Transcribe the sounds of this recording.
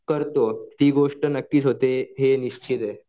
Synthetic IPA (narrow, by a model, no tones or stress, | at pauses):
kəɾt̪ot̪iːɡoʂʈənəkːiːsɦot̪eɦeniɕt͡ɕʰit̪e